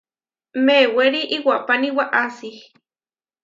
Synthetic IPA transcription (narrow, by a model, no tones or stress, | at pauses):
meːweɾiʔiwaʔpaniwaʔasih